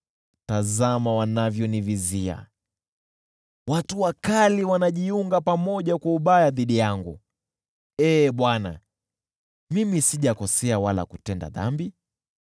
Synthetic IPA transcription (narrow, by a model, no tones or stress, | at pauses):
tazamawanavjɔnivizia̰ | watuwakaliwanaʄiuŋɡapamɔʄakwauɓajaðiɗijaŋɡṵ | ɛːɓwana̰ | mimisiʄakɔsɛawala̰kutɛnda̰ða̰mbi